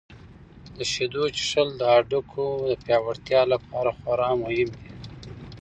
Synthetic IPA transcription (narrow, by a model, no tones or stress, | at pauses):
d̪əʃed̪ut͡ʃʂəld̪əaɖukʰod̪əpjɑwaɽt̪jɑlapʰɑɾaxwaɾɑmʊhɪmd̪i